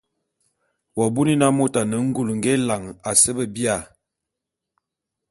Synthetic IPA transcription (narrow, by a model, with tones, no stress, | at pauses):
wa˨bu˦ni˦na˦mo˦ta˨nə˨˦ŋ̩˦ɡu˨lŋ˦ɡɛ˦la˨ŋa˨sə˦bə˦bi˦a˨